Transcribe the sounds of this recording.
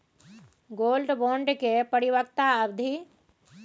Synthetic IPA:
ɡolɖboɳɖkepəɾiβəkt̪aəbd̪ʱi

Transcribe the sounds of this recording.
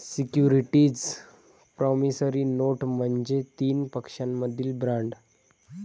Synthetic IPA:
sikjuɾiʈiːd͡z | pɾɔmisəɾiːnoʈm̤əɳd͡zet̪iːnpəkʂamːəd̪ʱiːlbɾaɳɖ

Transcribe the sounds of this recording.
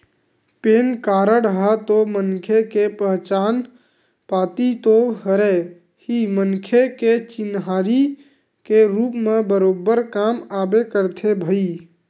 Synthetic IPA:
peːnkaːɾəɽɦət̪omənkʰekepəɦt͡ʃaːn | paːt̪it̪oɦəɾe | himənkʰeket͡ʃɪnɦaːɾi | keɾuːpmebəɾoːbːəɾkaːmaːbekəɾt̪ʰebʱəi

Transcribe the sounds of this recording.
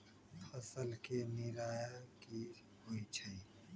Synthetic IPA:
pʰəsəlkenɪɾaːjaki | ɦoit͡ʃʰəi

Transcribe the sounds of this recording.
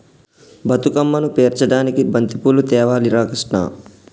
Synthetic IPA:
bʱɐt̪ukɐmːɐnupeːɾt͡ʃɐɽaːnikibɐnt̪ipulut̪ɛːʋaːliɾaːkiʂʈɳa̰ː

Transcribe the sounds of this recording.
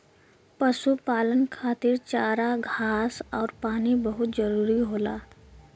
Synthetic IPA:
pəsupaːlənkʰaːt̪ɪɾt͡ʃaːɾaɡʱaːsɔːɾpaːnibəɦʊt̪d͡ʒəɾuːɾiɦoːla̰ː

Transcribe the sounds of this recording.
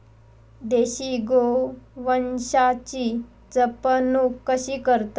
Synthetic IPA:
d̪eɕiɡoʋənɕat͡ɕiː | d͡zəpənukːəɕiːkəɾt̪

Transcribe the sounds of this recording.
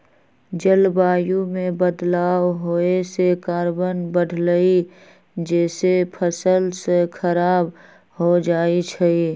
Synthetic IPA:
d͡ʒəlbaːjũmẽbəd̪laːwɦoesekaːɾbənbəɽʱləi | d͡ʒɛːsepʰəsəlsekʰəɾaːb | ɦod͡ʒaːit͡ʃʰəi

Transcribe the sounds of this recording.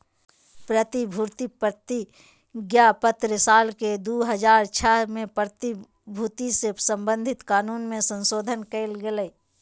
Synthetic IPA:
pɾət̪ibʱuːɾt̪ipɾət̪i | ɡjaːpət̪ɾəsaːlked̪uːɦəd͡ʒaːɾt͡ʃʰamẽpɾət̪i | bʱut̪isesə̃mbə̃nd̪ʱɪt̪kaːnuːnmẽsə̃nsoːd̪ʱənkeɪlɡɪləi

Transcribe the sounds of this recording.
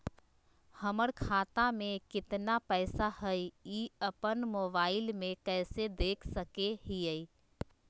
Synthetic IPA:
həməɽkʰaːt̪amẽkɪt̪napɛɪsahəjiəpənmoːbaːɪlmẽkɛːsed̪eːkʰsəkeɦiəi

